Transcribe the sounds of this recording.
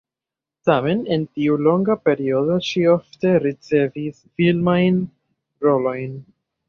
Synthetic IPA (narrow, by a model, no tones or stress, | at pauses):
tame̞nentiulo̞ŋɡape̞ɾio̞do̞ʃiofte̞ɾit͡se̞visfilmajn | ɾo̞lo̞jn